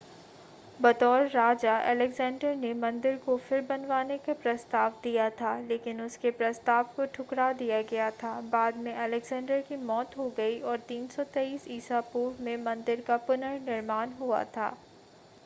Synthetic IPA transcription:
bɐt̪ɔːlːaːd͡ʒaʔɛ̰ːlɛɡzɛ̃ːɳɖəɾnemɐ̃nd̪ɪɾkofɪɾbɐnʋaːnekapɾɐst̪aːʋd̪ijat̪ʰaːleːkɪnʊskepɾɐst̪aːʋkoʈʰʊkɽad̪ijaɡɐjat̪ʰaːbaːd̪mẽʔɛlɛɡzɛ̃ːɳɖəɾkimɔːt̪ɦoɡɐiɔːɾt̪iːnsɔt̪eiːsiːsaːpuːɾmẽmɐ̃nd̪ɪɾkapʊnəɾnɪɾmaːnɦua̰t̪ʰa̰ː

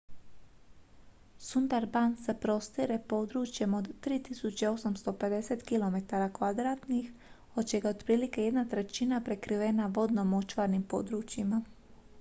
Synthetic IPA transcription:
sunt̪aɾband̪sepɾo̞st̪iɾepo̞d̪ɾuːt͡ʃje̞mo̞d̪ːɾiːt̪isut͡ʃeo̞samst̪o̞pe̞d̪e̞set̪kilˠo̞me̞t̪aɾakʋad̪ɾaːt̪nixho̞d̪̚t͡ʃeɡaod̪pɾiːlike̞je̞d̪nat̪ɾe̞t͡ʃinapɾe̞kɾiʋenaʋo̞d̪nomo̞t͡ʃʋaɾnimpo̞̰d̪ɾuːt͡ʃjima

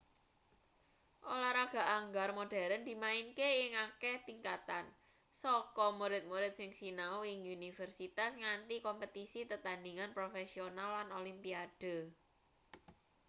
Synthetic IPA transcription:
ʔolaɾaɡ̥a̤ʔaŋɡarmoɖ̥a̤ɾənd̪i̤maɪnkeɪŋaket̪iŋkat̪an | sɔkɔmuɾɪt̪̚muɾɪt̪̚sɪŋsinauɪŋunifərsit̪asŋant̪ikɔmpət̪isit̪ət̪andiŋanpɾofesionalːanolimpiad̥ə̤

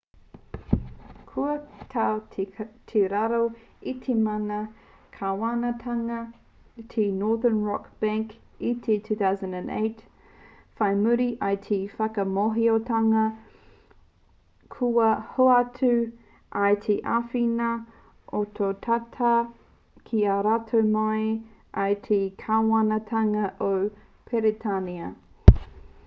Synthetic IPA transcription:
kʰuɐtʰawʰtʰeɾaɾoitʰemɐnɐ | kʰawanɐtʰɐŋɐ | tʰenɔːðənɹɔkb̥ɛ̃ŋk | itʰetʰʉːθawzɐ̃ndæ̃ndḛɪt | fajmʉɾiʔajtʰefɐkɐmoɦiotʰɐŋɐ | kʰuɐhoatʰʉ | ʔɐjt̪ʰeʔafinɐ | ʔotʰotʰatʰɐ | kʰiaɾatʰomajʔɐjtʰekʰawɐnɐtʰɐŋɐʔow | pʰɛɾitʰaniɐ

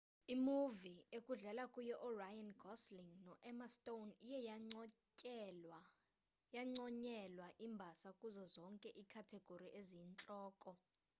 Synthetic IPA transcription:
imuviekʼuɮɛlakʼujɛʔurajanɡʱɔsliŋnɔʔɛmastʼonijɛ | jaŋ͡ǀɔɲɛlwaʔimbʱasakʼuzɔzɔŋkʼɛʔikʰatʰɛɡ̥ʱoɾiʔezint͡ɬʼɔːkʼɔ

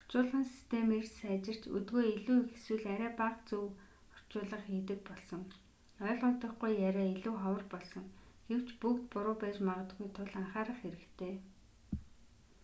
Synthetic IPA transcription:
ɔ̥r̥t͡ɕʊːɮʁə̆nsi̥st̪ʰemersæːt͡ɕɪ̆r̥t͡ɕɵ̰t̪ɡoːiɮuːxeswɘ̆ɮæɾæːpaqt͡suw | χɔ̥t͡ɕʊːɮə̆χiːt̪ɘ̆k̚pɔɮsɞ̆ŋ | œːɮʊnt̪ə̆χɡujːæɾʲæːiɮuːχawə̆rpɔɮsɞ̆ŋ | ɡ̥ew̥t͡ɕpukt̪pʊɾʊːpæːt͡ɕmaʁə̆t̪ɡujt̪ʰʊɮaɴχaːɾə̆χxeɾɘ̆kt̪ʰeː

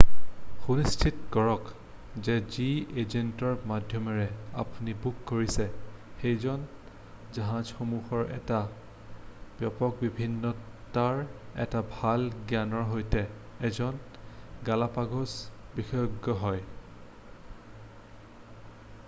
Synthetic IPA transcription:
xunistʰitkɔɹɔk | zɛziezentɔɹmadʱjɔmɔɹɛa̰punibukːoɹisɛxejzɔn | zaɦãzxomuxɔɹɛ̰ta | b̥jɔpɔk̚bibʱinːɔtaɹɛ̰tabʱalɡjanɔɹɦojtɛː | zɔnɡalapaɡɔsbixɔjɔɡːɔɦɔj

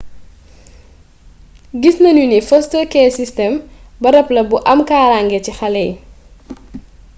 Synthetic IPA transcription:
ɡisnɐnunifɔstəkɛːsistɛmbɐɾɐplɐbuʔɐmkaːɾaŋɡɛcixɐlɛj

